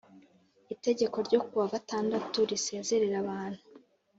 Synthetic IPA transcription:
ite̞ɟe̞ko̞ɾɟo̞kuβavataːndatuɾise̞ːze̞ɾeɾaβaːn̥hu

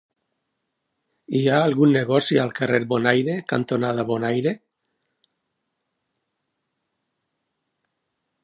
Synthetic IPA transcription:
iaːlɣunːeɣɔsialkareɾbonajɾeka̰nt̪onaðaβonajɾe

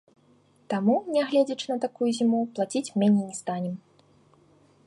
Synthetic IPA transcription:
t̪amunʲɛɣlʲɛd͡zʲɐt͡ʂɨnɐt̪akujuzʲimuplˠat͡sʲit͡sʲmʲɛnʲejnʲɛst̪anʲɛm

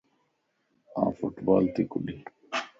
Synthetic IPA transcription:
ã̰ːfuʈbaːlt̪ikubi

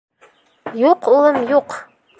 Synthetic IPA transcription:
juqulˠɤmjuq

